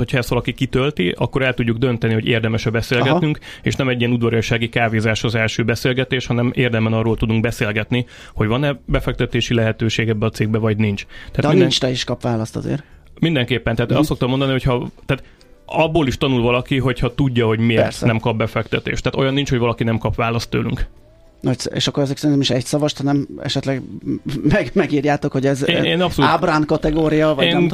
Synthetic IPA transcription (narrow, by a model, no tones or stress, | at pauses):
hocʰhɒɛst̪ʋɒlɒkikit̪ølt̪iʔɒ̰kːo̞ɾɛlt̪uɟːuɡ̚d̪ønt̪ɛniho̞ɟḛːrd̪ɛmɛʃɛbɛseːlɡɛt̪nyŋk | ḛːʃnɛmɛɟːiɛnud̪vɒɾɒʃaːɡikaːveːzaʃɒzɛlʃøːbɛseːlɡɛt̪eːʃhɒnɛmeːrd̪ɛmɛnɒrːoːlt̪ud̪uŋk̚bɛseːlɡɛt̪ni | ho̞ɟvɒnɛbɛfɛk̚t̪ɛt̪eːʃilɛɦɛt̪øːʃeːɡɛbːɛɒt̪seːɡ̚bɛvɒɟnint͡ʃt̪ɛaːt̪mid̪ɛŋt͡ʃt̪ɛiʃkɒpʋaːlɒst̪ɒ̰zḛːɾ | mind̪ɛŋkeːpːɛnt̪ɛaːt̪ɒsso̞kt̪ɒmːond̪ɒniho̞cʰhɒt̪aːt̪ | ɒbːoːliʃt̪ɒnulvɒlɒkiɦo̞chɒt̪uɟːɒɦo̞ɟmier̰ɾtsnɛmkɒbːɛfɛkt̪ɛt̪ḛːʃt̪ːæaːt̪o̞jɒnːint͡ʃhoɟvɒlɒkinɛmkɒpʋaːlɒst̪ːøːly̰ŋk | nɒcsḛːʃɒkːoɛzɛksɛɾinɛmiʃɛcsɒvɒʃt̪hɒnɛmɛ̰ʃɛt̪lɛɡmɛɡmɛɡiːrjaːt̪o̞kho̞ɟɛzeːnɒpsoluaːbraːnkɒt̪ɛɡoːɾijɒvɒeːnm